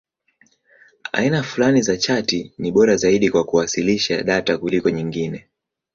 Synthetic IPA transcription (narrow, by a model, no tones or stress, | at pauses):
a̰inafulanizat͡ʃatiniɓɔɾazaiɗikwakuwasiliʃaɗatakulikɔɲiŋɡinɛ